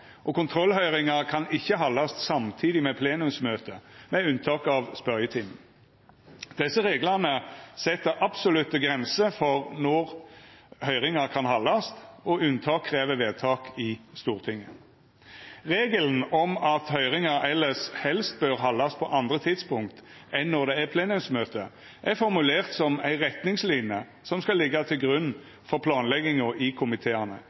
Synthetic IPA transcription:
ʔɔkʊnt̪ʰɾɔlhœʏʁɪŋɑɾkʰɑnɪçːəɦɑlːɑst̪sɑmt̪ʰiːd̪ɪmɛpʰleːnʉmsmøːt̪əmɛʉnt̪ʰɑːkɑʋspœʁjət̪ʰɪm | d̪̥ɛsːəʁeːɡlɑnəsɛt̪ːəɾʔɑbsʊlʉt̪əɡʁɛnsəfɔʁnɔʁ | hœʏʁɪŋɑkʰɑnhɑlːɑst̪ɔʉnt̪ʰɑːkʰʁeːʋəʋeːd̪̚t̪ʰɑːkɪst̪uːʁt̪ʰɪŋːə | ʁeːɡəln̩ɔmɑt̪hœʏʁɪŋɑɾɛlːəshɛlst̪̚bøːʁɦɑlːɑspʰɔʔɑnd̪ɾət̪ʰɪd̪spʊŋk̚t̪ | ɛnːɔʁd̪ɛæpʰleːnʉmsmøːt̪ə | ʔæʁfɔɾmʉleːʁt̪sɔmæ̰ɪʁɛt̪nɪŋslɪnjə | sɔmskɑlɪɡːɑt̪ʰɪlɡʁʉn | fɔɾpʰlɑːnlɛɡɪŋɔʔɪkʰʊmɪt̪ʰeːɑnə̰

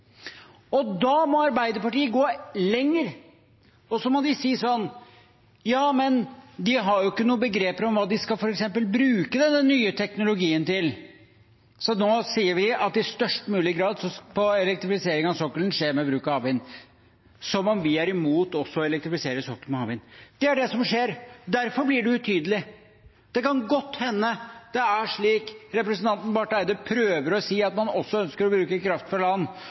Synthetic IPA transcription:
ɔd̪ɑmɔɑɾbæɪd̪əpɑʈiːəɡoːlɛŋːəɾ | ɔsɔmɔd̪ɪsiːsɔnː | jɑːmɛnd̪ɪɦɑɾjʊɪkːənuːəbəɡɾeːpɾɔmʋɑːd̪ɪskɑlfɔɾɛksɛmpəlbɾʉːkəd̪ɛnːənyːət̪ʰɛknʊlʊɡiːənt̪ɪl | sɔnoːsiːəɾʋɪɑt̪ɪst̪œʂʈmʉːlɪɡɾɑːd̪sɔpʰɔɛlɛk̚t̪ɾɪfɪseːɾɪŋɑsɔkːələn̩ʂeːɾmɛbɾʉːkɑɑːʋɪn | sɔmɔmʋɪæɾɪmuːt̪ɔsːɔɔɛlɛkt̪ɾɪfɪseːɾəsɔkːəlmɛhɑːʋɪnd̪̥ɛæɖɛsɔmʂeːɾd̪æɾfɔɾblɪɖʉʉt̪ʰyːd̪əlɪ | d̪̥ɛkɑnɡɔt̪ːhɛnːəd̪̥ɛæʂɭiːkɾɛpɾəsnt̪ʰɑnt̪n̩bɑʈæɪd̪əpʰɾøːʋəɾɔsiːɑt̪mɑnɔsːɔœnskəɾɔbɾʉːkəkʰɾɑft̪fɔɾɭɑnː

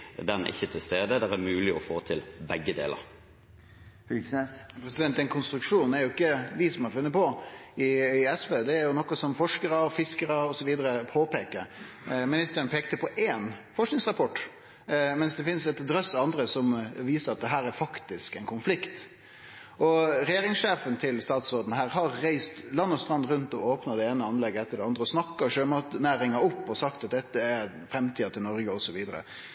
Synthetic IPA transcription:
d̪ɛnɪ̰çːət̪ʰɪlst̪eːd̪əd̪ɛɾæɾmʉːlɪɔfoːt̪ʰɪlbɛɡːəd̪ḛːlə̰ɾ | hʉsespʰɾɛsɪd̪ɛnt̪ːɛnkʰʊnst̪ɾʉkʂuːnæɾjʊɪkːəʋɪsɔmɑɾfʉnːəpɔɪɛsʋeːd̪ɛæɾjʊnɔkːɔsɔmfɔʂkəɾəfɪskəɾəɔsɔʋiːd̪əɾəpʰoːpeːkəɾ | mɪnɪst̪əɾənpʰeːk̚t̪əpʰɔʔeːnfɔʂnɪŋsʁɑpʰɔʈː | mɛnsd̪ɛfɪnsɛt̪d̪ɾœsːɑɑnd̪ɾəsɔmʋiːsəɾɑt̪̚d̪ɛɦæːɾæɾfɑkt̪ɪskɛɪnkʰʊnflɪkt̪ | ʔɔɾɛjeːɾɪŋsʂeːfənt̪ʰɪlst̪ɑːt̪sɾoːd̪nəɦæːɾɦɑɾːæɪst̪lɑnːɔst̪ɾɑnd̪ɾʉnt̪ɔoːpnɑd̪ɛeːnəɑnlɛɡːəɛt̪ʰːəɖɛɑnd̪ɾəɔsnɑkːɑɕøːmɑt̪næːɾɪŋɑɔpːɔsɑkt̪ɑt̪̚d̪ɛt̪ːəæɾ | fɾɛmt̪ʰiːɑt̪ʰɪlnɔɾɡəɔsɔʋiːd̪əɾə̰

